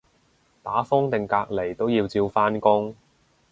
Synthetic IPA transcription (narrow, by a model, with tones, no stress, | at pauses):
t̪aː˨˥fʊ˥ŋt̪ɪ˨˩ŋkaː˧k̚le˨˩jt̪o˥wjiː˧wt͡siː˧wfaː˥nkʊ˥ŋ